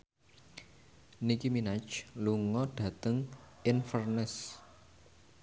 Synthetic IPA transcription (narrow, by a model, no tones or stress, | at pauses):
nikiminat͡ʃluŋɔɖ̥ä̤t̪əŋʔɪnfərnɪs